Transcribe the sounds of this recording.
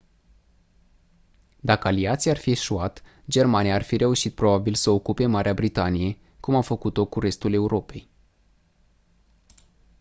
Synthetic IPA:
d̪akəaliat̪siarfie̞ʃuat̪ | d͡ʒe̞rmanijaːrfiɾʔe̞uʃit̪̚pɾo̞babilsəokupe̞maɾʔeabɾit̪anije̞ | kumawfəkut̪o̞kuɾe̞st̪ule̞uɾʔo̞pe̞j

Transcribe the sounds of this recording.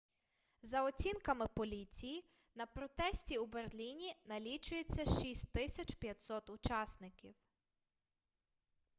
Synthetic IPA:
zɐɔt͡sʲinkɐmɪpɔlʲit͡sʲiji | nɐpɾɔt̪ɛsʲtʲiuberlʲinʲinɐlʲit͡ʃʊjet͡sʲːɐʃisʲtʲt̪ɪsʲɐt͡ʃpjɐt̪ʲsɔt̪ʊt͡ʃɑsnɪkʲiw

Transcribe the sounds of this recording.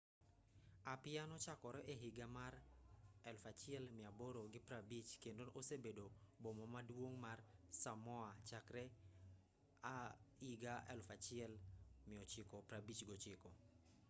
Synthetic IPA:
apɪanɔt͡ʃakɔɾɔʔeɦiɡamarɛlfat͡ʃɪɛlmɪaboɾoɡɪpɾabit͡ʃkendonʔosebedobomɔmadwoŋmarsamɔat͡ʃakɾɛ | aiɡaɛ̰lfat͡ʃɪɛlmɪɔt͡ʃɪkɔpɾabit͡ʃɡɔt͡ʃɪkɔ

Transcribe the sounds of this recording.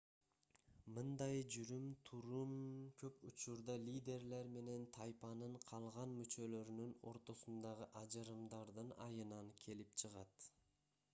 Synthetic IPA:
mɯnd̪ɑjd͡ʒyɾymt̪ʰuɾunkʰøput͡ʃuɾd̪ɑlʲid̪ʲe̞ɾle̞ɾme̞ne̞nt̪ʰɑjpɑnɯɴqʰɑlˠʁɑnmyt͡ʃø̞lø̞ɾynyno̞̰ɾt̪o̞sund̪ɑʁɯʔɑd͡ʒɯɾɯmd̪ɑɾd̪ɯnɑ̰jɯnɑŋkʲʰe̞lipt͡ʃʰɯʁɑt̪

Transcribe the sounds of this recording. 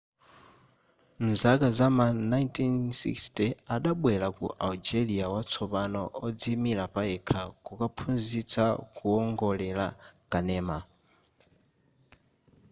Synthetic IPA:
nzakazamanajntʰinsḭkstiaɗaɓwɛlakṵʔald͡ʒɛliawat͡sʰɔpanɔʔɔd͡zimilapaɛkʰakukapʰunzit͡sakuɔŋɡɔlɛlakanɛːma

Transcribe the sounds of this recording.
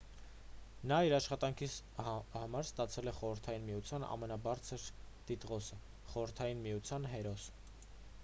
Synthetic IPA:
nɑiɾɑʃχɑt̪ɑŋkʰi | hɑmɑɾst̪ɑt͡sʰɛlɛχɔɾəɾt̪ʰɑjinmijut͡sʰjɑnɑ̰mɛnɑbɑɾt͡sʰəɾt̪it̪ʁɔsə | χɔɾəɾt̪ʰɑjinmijut͡sʰjɑnɦɛɾɔs

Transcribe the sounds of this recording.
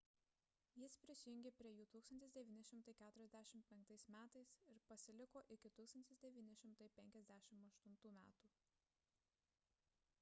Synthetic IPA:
jɪspʲɾʲɪsʲɪjʊŋʲɡʲeːpʲɾʲiɛjuːt̪uːkst̪ɐnt̪ʲɪsd̪ʲɛʋʲiːnʲɪʃʲɪmt̪ɐɪkʲæːt̪ʊɾʲɛzʲd̪ʲæːʃʲɪmt̪pʲɛŋk̚t̪ɐɪsmʲæːt̪ɐɪsɪɾpɐsʲɪlʲɪkoːʔɪkʲɪt̪uːkst̪ɐnʲt̪ʲɪsd̪ʲɛʋʲiːnʲɪʃʲɪmt̪ɐɪpʲɛŋʲkʲɛzʲd̪ʲæːʃʲɪmɐʃt̪ʊnt̪uːmʲæ̰ːt̪uː

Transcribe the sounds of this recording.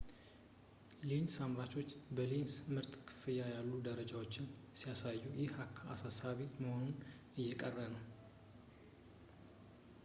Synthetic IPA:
linsamɾat͡ʃo̞t͡ʃːbəlinsmɨɾt̪ʼkʰɨ̥fɨjajalːud̪əɾəd͡ʒawot͡ʃːɪnsijasajːujɪhakʰːaasasaβiməho̞nun | ɨjːɛkʼərːənəw

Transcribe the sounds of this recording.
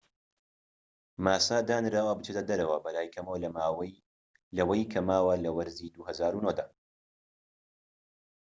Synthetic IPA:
maːsaːd̪aːnɾaːwɐbɨt͡ʃʰeːt̪ʰɐd̪ɐɾɐwɐbɐlaːjkʰɐmow | lɐwɐjkʰɐmaːwɐlɐwɐɾzid̪uhɐzaːɾunod̪aː

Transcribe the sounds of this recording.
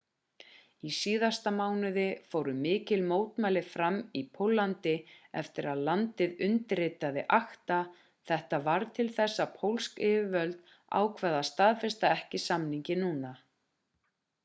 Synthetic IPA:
isiːðast̪amaːwnɪðɪfoːwɾʏmɪːcɪlmoːwt̪maːjlɪfɾamipʰowlːant̪ɪɛft̪ɪɾaðlant̪ɪðʏnt̪ɪɾɪt̪aðɪʔaxt̪a | θɛht̪avaɾt̪ʰɪlθɛsːapʰowlskɪːvɪvœlt̪ | a̰ːwkʰvɛːðast̪aːðfɛst̪aɛhcɪsamniɲcɪnuːna

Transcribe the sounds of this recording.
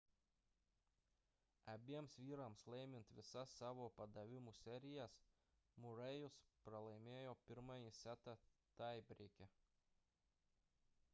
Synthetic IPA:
ɐbʲiɛmsʋʲiːɾɐmslˠɛɪmʲɪnt̪ʋʲɪsɐsːɑːʋoːpɐd̪ɐʋʲɪmusʲɛɾʲɪjæs | mʊɾɛjʊspɾɐlˠɐɪmʲeːjoːpʲɪɾmɑjisʲæt̪ɑt̪ɑɪbʲɾʲeːkʲɛ

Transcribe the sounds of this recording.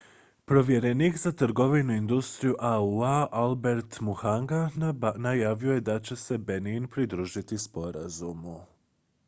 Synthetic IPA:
pɾo̞ʋje̞ɾeniːkzat̪ɾ̩ɡo̞ʋinuind̪ust̪ɾijuʔauaʔalbe̞ɾt̪muhaŋɡanajaːʋio̞je̞d̪at͡ɕe̞se̞beninpɾid̪ɾuːʒit̪ispo̞ɾa̰zumu

